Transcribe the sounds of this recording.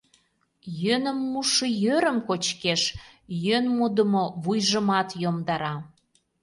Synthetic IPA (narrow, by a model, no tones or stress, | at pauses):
jønə̆mːuʃəjøɾə̆mkot͡ɕkeʃjønmud̪əmoβujʒə̆mɑt̪jomd̪ɑɾɑ